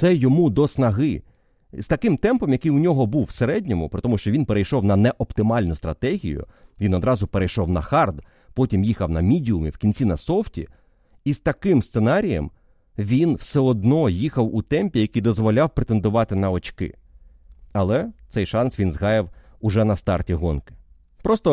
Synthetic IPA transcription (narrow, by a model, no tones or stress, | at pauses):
t̪sɛjɔmud̪ɔsnɐɦɪ | z̥t̪ɐkɪmt̪ɛmpɔmjɐkɪjʊnʲɔɦɔbuwwseɾɛdʲnʲɔmʊ̰pɾɪt̪ɔmʊʃt͡ʃɔʋʲinpeɾejʃɔwnɐnɛʔɔpt̪ɪmɑlʲnʊst̪ɾɐt̪ɛɦʲḭjʊ̰ʋʲinɔd̪ɾɑzʊpeɾejʃɔwnɐxɑrd̪ | pɔtʲimjixɐwnɐmʲidʲiʊmḭwkʲinʲt͡sʲinɐsɔftʲḭ | ist̪ɐkɪmst̪senɑɾʲijɐ̰m | ʋʲinw̥sɛɔd̪nɔjixɐwut̪ɛmʲpʲijɐkijd̪ɔzʋɔlʲɑwpɾet̪e̞nd̪ʊʋɑt̪ɪnɐɔt͡ʃkɪ̰ | ɐlˠɛt̪sɛjʃɑnsʋʲinzɦɑjɪw | ʊʒɛnɐst̪ɑrtʲiɦɔnkɪ̥ | pɾɔst̪ɔ